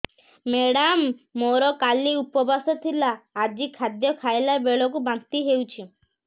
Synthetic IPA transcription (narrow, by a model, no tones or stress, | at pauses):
meɽamːoɾɔkaliupɔbasɔt̪ʰilaːd͡ʒikʰad̪jɔkʰaelabeɭɔk̬ubant̪iɦewt͡ʃʰi